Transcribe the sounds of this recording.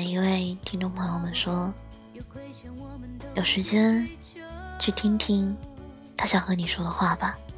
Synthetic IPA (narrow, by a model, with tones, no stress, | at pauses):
i˥nwe˥˧ɪt̪ʰi˥ŋʈ͡ʂʊ˥˩ŋpʰɤ˧ŋjo˥˧ʊmə˨˩nʂwɔ˥ | jo˨˩ʊʂɻ̩˧˥t͡ɕjɛ˥n | t͡ɕʰy˥˩t̪ʰi˥ŋt̪ʰi˥ŋ | t̪ʰa˥ɕjɑ˨˩ŋxɤ˧˥ni˨˩ʂwɔ˥d̪ə˨xwa˥˩bɐ˩